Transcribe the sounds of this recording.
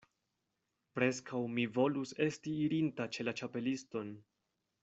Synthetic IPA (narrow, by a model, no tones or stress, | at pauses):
pɾe̞skʰawmivo̞luse̞stiːɾintat͡ʃe̞lat͡ʃape̞listo̞n